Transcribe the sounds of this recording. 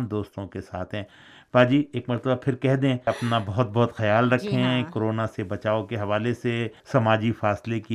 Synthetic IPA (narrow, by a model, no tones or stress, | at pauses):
md̪oːst̪õkesa̰ːt̪ʰɦɛ̃ː | baːd͡ʒiːeːkmɐɾt̪əbapʰɪɾkɛɦd̪ẽːɐpnabɐɦʊt̪̚bɔɦʊt̪xɐjaːlɾɐkʰːẽɦɛ̃koɾoːnasebɐt͡ʃaːokeɦɐʋaːlesesɐmaːd͡ʒifaːsleki